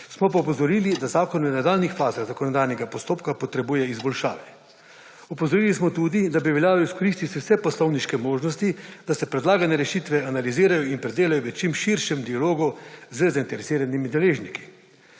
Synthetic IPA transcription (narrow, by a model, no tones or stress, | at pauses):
smɔp̬aupɔzɔɾiːlid̪azaːkɔnʋənad̪aːlnixfaːzaɣzakɔnɔd̪ajnɛɡapɔst̪oːpkapɔt̪ɾɛbuːjɛizbɔlʃa̰ːʋɛ | ɔpɔzɔɾiːlismɔt̪uːd̪id̪abiʋɛljaːlɔiskɔɾiːst̪it̪iwsɛpɔslɔwniʃkɛmoːʒnɔst̪id̪asɛpɾɛd̪laːɡanɛɾɛʃiːt̪ʋɛanaliziːɾajɔinpɾɛd̪eːlajɔʋɛt͡ʃimʃiɾʃɛmd̪ialoːɡuzəzaint̪ɛɾɛsiːɾanimid̪ɛleːʒniki̥